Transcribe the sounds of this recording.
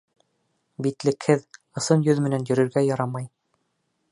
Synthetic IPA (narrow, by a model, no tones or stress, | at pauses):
bit̪lɘ̆khɘð | ɤ̆sɤnjɵðmɘ̆nænjɵ̆ɾɵ̆ɾɡæjɑɾɑmɑj